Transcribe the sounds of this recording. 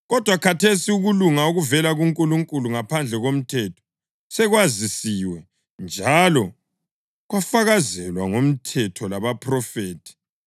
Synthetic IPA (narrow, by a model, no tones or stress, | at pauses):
ɣɔd̥ʱwakʰatʰesiuɣuluŋauɣuvɛlaɣuŋkʼuluŋkʼuluŋapʰand͡ɮʱɛɣom̩tʰɛtʰɔ̥ | sɛɣwazisiwɛ | nd͡ʒʱalɔ | ɣwafaɣazɛlwaŋom̩tʰɛtʰɔlaβapʰrɔfeːtʰi̥